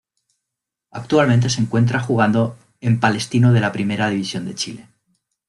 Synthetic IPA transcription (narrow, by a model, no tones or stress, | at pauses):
ak̚t̪ualment̪̬e̞seŋkwe̞nt̪ɾaxuɣ̞and̪o | e̞mpale̞st̪inoð̞e̞lapɾime̞ɾað̞iβ̞isjo̞nd̪e̞t͡ʃile̞